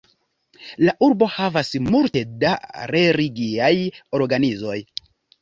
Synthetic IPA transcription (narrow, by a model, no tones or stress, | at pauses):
laʔuɾbo̞havasmulte̞daɾe̞ɾiɡiajo̞ɾɡanizo̞j